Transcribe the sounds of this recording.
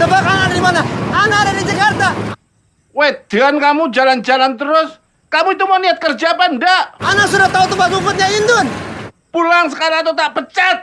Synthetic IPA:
d̪əbakanandimanaanaɾadid͡ʒakart̪a | wed̪̥ankamud͡ʒaland͡ʒalant̪əɾʊs | kamuit̪umaniat̪̚kərd͡ʒapandaanasuɾat̪ːaut̪ubaɡufʊt̪̚ɲaind̪ʊn | pulaŋs̬əkaɾaŋat̪̬awt̪aʔpət͡ʃat̪̚

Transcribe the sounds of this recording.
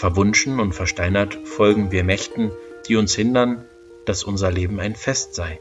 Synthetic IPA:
fɛɐvʊnʃn̩ʊntfɛɐʃtaɪnɐtfɔlɡŋ̩viːɐmɛçtn̩ | d̥iːʊnshɪndɐn | d̥asʔʊnzɐleːbm̩aɪnfɛstz̥aɪ

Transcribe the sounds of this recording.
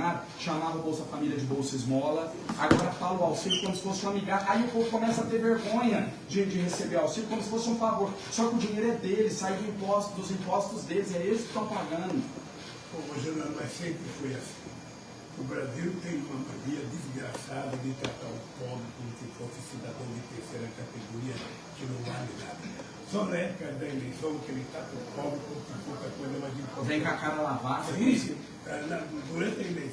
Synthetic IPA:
ad̪ʊʃamavɐʊbowsʊd̪ɐfamilʲiɐd͡ʒɪbowsɐɪzmɔlɐ | aɡɔɾɐfalʊawsiʎʊkõmʊsɪ̥fosɛ̃amiɡaɾʔaiʊpovʊkõmɛsat̪eɾveɾɡõɲɐ | d͡ʒɪd͡ʒɪhesebeɾawsilʊkõmʊsɪfosɛũfavoɾsɔkɪʊd͡ʒĩɲejɾʊɛd̪elɪsaid̪ʊĩpɔst̪ʊd̪ʊzĩpɔst̪ʊzd̪elɪzɛelɪskɪ̥t̪ɐ̃w̃paɡɐ̃d̪ʊ | põvoʒɐ̃nɐ̃nũɛsẽkɪfojɐsĩ̥ | ʊbɾaziwnt̪ẽj̃ũmɐmaɾiɐd̪izɡɾasad̪ɐnẽt̪at̪a̰ṵ̃pɔbɾɪkõmʊkefosɪsid̪ad̪ɐ̃w̃d͡ʒ̪ɪt̪eɾseɾɐkat̪eɡoɾiɐ | kɪnɐ̃w̃valinad̪ɐ | sɔnɐɛpʊ̥kɐd̪ɐelejsɐ̃w̃kelẽt̪at̪ɐ̃pɔblɪkõkɪkõt̪ɐkõd̪ɐũmɐd͡ʒ̪ipɔvẽj̃kakaɾɐlavad̪ɐizi | anɐd̪uɾɐ̃nt̪ɐĩle

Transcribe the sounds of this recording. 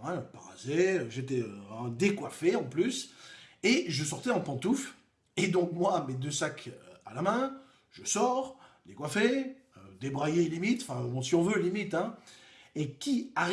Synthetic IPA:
ɛ̃ɔ̃paʁa̰zeøʒet̪ɛøɛ̃d̪ekwafeɑ̃plyseʒəsɔʁt̪ɛɑ̃pɑ̃t̪uf | ed̪ɔ̃kmwamed̪øsakʰalamɛ̃ | ʒ̥əsɔʁlekwafeød̪ebʁajelimit̪ɑ̃fɛ̃bɔ̃siɔ̃vølimit̪ɛ̃ | ekʲiaʁ

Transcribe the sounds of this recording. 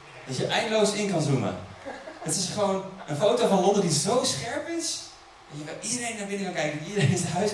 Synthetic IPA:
d̥ɑtjəʔɛjndəlowsɪŋkɑnzumə̰ | ɑtɪsχəʋownənfowtovɑnlɔndədizowsχɛɹpɪs | ɛnjəkɑnidəɾejnaːɹbɪnəkɑ̃ŋkɛjkənɔidəɾenɪsɦœɥs

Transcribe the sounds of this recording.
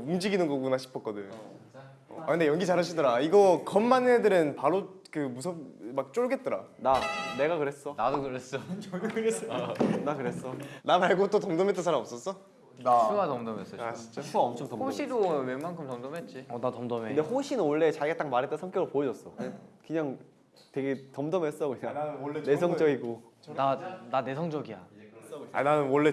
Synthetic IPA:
umd͡ʑiɡinɯnɡʌɡunaɕʰi̥pʰʌk͈ʌdɯɲːo̰ | akɯndejʌŋɡit͡ɕaɾɦaɕʰidʌɾaiɡʌkʌmːanedɯɾɯnpaɾo | kɯmusʰʌmak̚t͡ɕ͈oɭɡe̞t̚t͈ʌɾa̰nane̞ɡakɯɾes͈ʌnadokɯɾes͈ʌt͡ɕɯɾesnakɯɾe̞s͈ʌnamaɭɡot͈otʌmdʌmet͈ɯnsʰaɾamʌps͈ʌs͈ʌ | nasuatʌmdʌmes͈ʌaɕʰit͡ɕ͈apʰuaʌmt͡ɕʰʌŋtʌoɕʰidomeŋmankʰɯmtʌmdʌmet̚t͡ɕ͈iʌnatʌmdʌmeɯndehɸoɕʰinɯnoɭːe̞t͡ɕaiɡat͈akmaɾɦet͈ʌnsʰʌŋkjʌɡɯɾopojʌd͡ʑʌs͈ʌkɯɲaŋ | te̞ɡe̞tʌmdʌmɦes͈ʌkɯɲanesʰʌŋd͡ʑ͈ʌɡiɡoanane̞sʰʌŋd͡ʑʌɡija̰ | a̰nanɯnwʌɭːe

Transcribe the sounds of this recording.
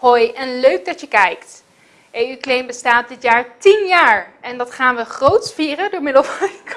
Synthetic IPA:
hojɛnløɥɡ̚dɑtjəkɛjkt | ʔejyklejnbəstaːt̚dɪtjaːɹtinjaːɹʔɛndɑtχaːnʋəχrowtsfiːrədʊːɹmɪdəlˠfɑnk

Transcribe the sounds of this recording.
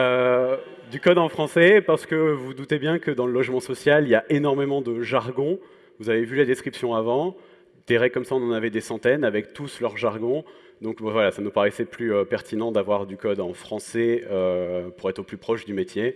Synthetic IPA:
ø | d̪ykɔd̪ɑ̃fχɑ̃sɛpaʁsə̥kəvud̪ut̪ebjɛ̃kəd̪ɑ̃ləlɔʒmɑ̃sɔsjaliljaʔenɔʁmemɑ̃d̪əʒaʁɡɔ̃ | vuzavevylad̪eskχipsjɔ̃avɑ̃ | d̪̥eʁɛkːɔmsaɔ̃nɑ̃navɛd̪esɑ̃t̪ɛnavɛkt̪uslœʁʒaʁɡɔ̃ | d̪ɔ̃kbɛvwalasanupaʁɛsɛplyøpɛʁt̪ʰinɑ̃d̪avwaʁd̪ykɔd̪ɑ̃fχɑ̃sɛøpuʁɛt̪χoplypχɔʃd̪ymet̪je

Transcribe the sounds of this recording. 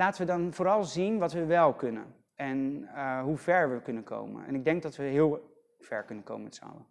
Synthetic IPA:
laːtəʋədɑnvoːɾɑlˠzinʋɑtʋəʋɛlˠkɵnə̰n | ɛnɦuvɛɹʋəkɵnənko̰wmə̰nɛ̰nɪɡ̚dɛŋɡ̚dɑtʋəɦɪːlˠ | v̥ɛ̰ɹkɵnənko̰wməmɛtsəɑ̰lə

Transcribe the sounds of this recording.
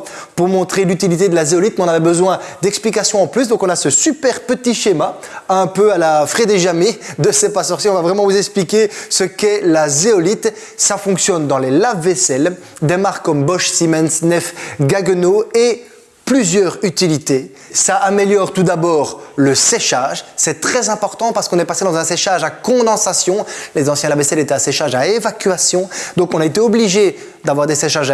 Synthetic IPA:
puʁmɔ̃t̪χelyt̪ilit̪ed̪əlazeɔlit̪̚mɛɔ̃navɛbəzwɛ̃d̪ɛksplik̬asjɔ̃ɑ̃plys̬d̪ɔ̃kɔ̃nasəsypɛʁpət̪iʃema | ɛ̃pøalafχed̪eʒamed̪əsɛpasɔʁsjiɔ̃vavʁɛmɑ̃vuzɛksplikʲesəkɛlazeɔlit̪ | safɔ̃ksjɔnd̪ɑ̃lelavːesɛl | d̪emaʁkkːɔmbɔʃsimɛnsnɛfɡaɡnoe | plyzjœːʁyt̪ilit̪e | saʔːmeljɔʁt̪ud̪abɔːʁləseʃaʒsɛt̪χɛzɛ̃pɔʁt̪ɑ̃paʁsə̥kɔ̃nɛpaʁsed̪ɑ̃zɛ̃seʃaʒakɔ̃d̪ɑ̃sasjɔ̃lezɑ̃sjɛ̃lavesɛlet̪ɛaseʃaʒaevakʲɥasjɔ̃d̪ɔ̃kɔ̃naet̪eɔbliʒe | d̪avwaʁd̪eseʃaʒa

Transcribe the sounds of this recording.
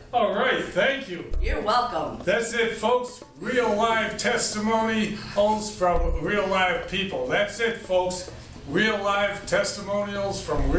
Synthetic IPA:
olˠɹaɪt̪̚θæ̃ŋkʰjʉjə˞wɛlˠkə̃mðætsɪtfoʊks | ɹil̩ˠlaɪv̥tʰɛstɨmõʊ̃nil̩ˠz̥fɹʌ̃mɹilˠlaɪv̥pʰipl̩ˠðætsɪtfoʊks | ɹilˠlaɪv̥tʰɛstəmõʊ̃nil̩ˠz̥fɹʌ̃m

